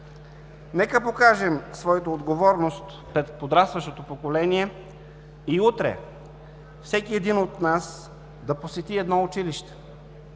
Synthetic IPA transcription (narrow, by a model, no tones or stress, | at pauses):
nɛkəpokaʒɛmsvɔɛt̪oːd̪ɡovɔɾnost̪ | pɾɛt̪pod̪ɾast̪vɐʃt̪ot̪opokolɛniɛ | iut̪ɾɛ̰ | fsɛkiɛd̪inot̪nas | d̪ɐposɛt̪iɛd̪nɔʊt͡ʃiliʃt̪ɛ̥